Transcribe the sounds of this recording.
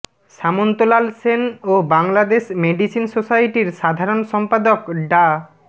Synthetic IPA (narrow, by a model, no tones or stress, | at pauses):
ʃamont̪olalsenobaŋlad̪eʃmeɖisinsosajʈiɾʃad̪ʱaɾonʃɔmpad̪okɖa